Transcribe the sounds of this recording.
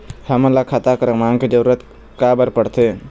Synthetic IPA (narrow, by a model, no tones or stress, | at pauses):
həməlakʰat̪akəɾəmãːŋɡkid͡ʒəɾuːɾət̪ | kaːbəɾpəɽt̪ʰeː